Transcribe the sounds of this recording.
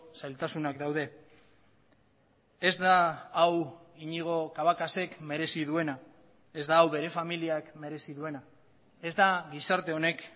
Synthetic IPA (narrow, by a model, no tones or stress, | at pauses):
sajlt̪asunakd̪awð̞e̞ | ezd̪aːwiɲiɣ̞o̞kaβakase̞kme̞ɾe̞siðue̞na | e̞zd̪aːwβe̞ɾe̞familiakme̞ɾe̞siðue̞na | e̞zd̪aɡisaɾt̪e̞o̞ne̞k